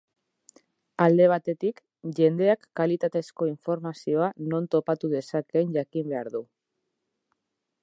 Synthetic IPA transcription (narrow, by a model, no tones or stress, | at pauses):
ald̪e̞β̞at̪e̞t̪ik | ʝe̞nd̪e̞akːalit̪at̪e̞sko̞iɱfo̞ɾmasio̞ano̞nt̪o̞pat̪uðe̞sake̞ɲʝakimbe̞aɾðu